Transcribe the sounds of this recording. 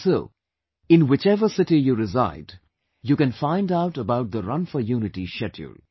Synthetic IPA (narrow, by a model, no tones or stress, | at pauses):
soː | ɪ̃nwɪt͡ʃɛʋəsɪʈijuːɾɪza̰ɪd | jukɛ̃nfãɪ̃ndaʊʈəbaʊʈ̚d̪əɾʌ̃nfəjuːnɪʈiʃɛtʰṵl